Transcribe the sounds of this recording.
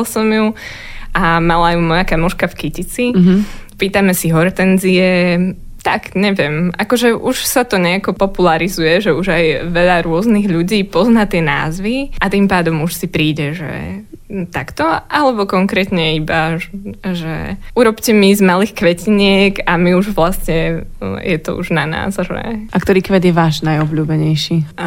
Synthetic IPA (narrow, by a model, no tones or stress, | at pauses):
lsɔmju | ʔamalajumɔjakamɔʃkafkicit͡sipiːt̪amɛsiɦɔɾt̪ɛnziɛ | t̪aɡɲɛʋɪɛmʔakɔʒɛʔuʃsat̪ɔɲɛakɔpɔpulaɾizujɛʒɛuʒajʋɛʎaɾʊɔzniɣʎuɟiːpɔznat̪ɪɛna̰ːzʋiʔat̪impaːd̪ɔmuʃsipɾiːɟɛʒɛ̰t̪akt̪ɔʔalɛbɔkɔŋkɾɛt̪ɲɛiba | ʒɛ̰uɾɔpcɛmizmalixkʋɛciɲɪɛɡamiuʒʋlasɲɛjɛt̪ɔ̰ṵʒnana̰ːzʒɛ̰ʔakt̪ɔɾiːkʋɛd̪jɛʋaːʒnajɔbʎuːbɛɲɛjʃi